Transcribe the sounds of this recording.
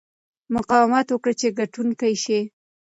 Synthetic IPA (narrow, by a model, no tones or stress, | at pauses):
mʊqɑwɪmat̪wəkɽat͡ʃeɡaʈunkajʃi